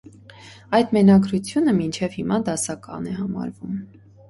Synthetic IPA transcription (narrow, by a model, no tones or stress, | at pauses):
ɑjd̪mɛnɑɡɾut͡sʰjunəmint͡ʃʰɛvhimɑd̪ɑsɑkɑ̰nɛhɑmɑ̰ɾvum